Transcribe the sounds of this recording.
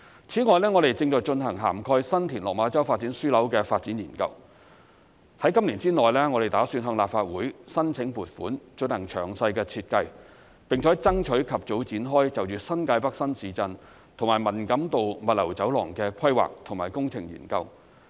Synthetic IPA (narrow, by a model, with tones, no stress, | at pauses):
t͡sʰiː˨˥ŋɔː˨jlɛː˥ŋɔː˨˧ɾe˨jt͡sɪ˧ŋt͡sɔː˨˧jt͡ʃɵ˧nhɐ˨˩ŋɦa̰ː˨˩mkʰɔː˧jsɐ˥nt̪ʰiː˨˩nlɔː˨k̚maː˨˧˥t͡sɐ˥wfaː˧t̚t͡siː˨˥nsyː˥lɐ˨˥wkɛː˧faː˧t̚t͡si˨˥njiː˨˩nkɐ̰˧w | hɐ˨˥jkɐ˥mli˨˩nt͡siː˥ŋɔː˨jlɛː˥ŋɔ˨˧ɾe˨jt̪aː˨˥syː˧nɦœː˧ŋlaː˨p̚faː˧t̚wuː˨˥jsɐ˥nt͡sʰɪ˨˥ŋpuː˨˩t̚fṵː˨˥nt͡ʃɵ˧nhɐ˨˩ŋt͡ʃʰœ̰ː˨˩ŋsɐ˧jkɛː˧t͡sʰiː˧t̚kɐ˧j | pɪ˨˩ŋt͡ʃʰɔː˨˥jt͡sɐ˥ŋt͡ʃʰɵ˨˥kʰɐ˨p̚t͡so˨˥wt͡siː˨˥nɦɔː˥jt͡sɐ˨wjyː˨˧sɐ˥nkaː˧jpɐ˥k̚sɐ˥nsiː˨˧t͡sɐ˧n | t̪ʰʊ˨˩ŋmaː˨˩jmɐ˨˩nkɐ˨˥mt̪o˨wmɐ˨t̚lɐ˨˩wt͡sɐ˨˥wlɔː˨˩ŋkɛː˧kʰɐ˥jwa̰ː˨k̚t̪ʰʊ˨˩ŋmaː˨˩jkʊ˥ŋt͡sʰɪ̰˨˩ŋjḭː˨˩nkɐ˧w